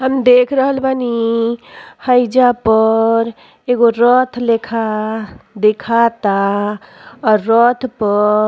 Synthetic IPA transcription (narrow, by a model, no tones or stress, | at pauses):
ɦəmd̪ekʰɾəɦəlbʱani | həjd͡ʒapəɾ | eɡoɾɔt̪ʰlekʰa | d̪ekʰat̪a | ɔɾːɔt̪ʰpə